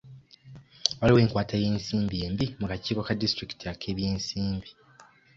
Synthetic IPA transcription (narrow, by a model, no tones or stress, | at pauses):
waliwe̞ːŋkwaːteːje̞ːnsiːmbie̞ːmbimukaciːko̞kadistɾiki̥tiakʰe̞ːβjeːnsiːmbi